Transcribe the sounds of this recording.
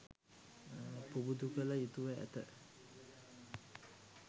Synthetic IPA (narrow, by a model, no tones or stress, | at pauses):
pubud̪ukələjut̪uʋəæ̰t̪ə